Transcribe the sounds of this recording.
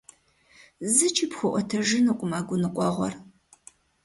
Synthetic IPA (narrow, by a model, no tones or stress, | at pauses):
zɨt͡ʃʰiːpxʷʊʔʷɔtʰɐʒɪnɨkʷʼʊmaːɡʷʊnɨqʷʼɔʁʷɔ̰r